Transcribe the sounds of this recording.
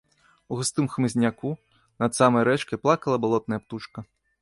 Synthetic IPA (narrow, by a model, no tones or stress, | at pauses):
uɣʊst̪ɨmxmɨzʲnʲaku | nɐd̪samɐjɾɛt͡ʃkɪplˠakɐlˠɐbɔlˠɔt̪̚nɐjɐpt̪ut͡ʃkɐ